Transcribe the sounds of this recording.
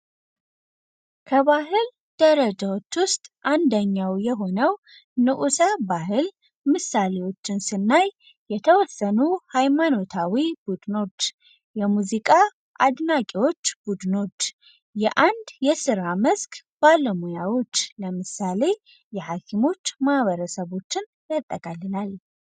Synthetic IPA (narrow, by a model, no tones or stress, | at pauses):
kʰəβaɦɨl | d̪̥əɾəd͡ʒawo̞t͡ʃːwʊst̪ʼʔand̪əɲːawjɛɦo̞nəw | nɨʔusəbaɦɨl | mɨsːalewo̞t͡ʃːɪnsɨnːaj | jɛt̪ʰəwɔsːənuhajmano̞t̪ʰawibud̪ɨno̞t̪ | jɛmuzikʼa | ʔad̪nakʼiwo̞t͡ʃːb̥ud̪ɨno̞t̪ | jɛʔand̪jɛsɨɾaməzkʰbaləmujawo̞t͡ʃːləmɨsale̞ | jɛhakʰimo̞t͡ʃːmahβəɾəsəβo̞t͡ʃːɪn | jat̪ʼːəkʼalːɨlal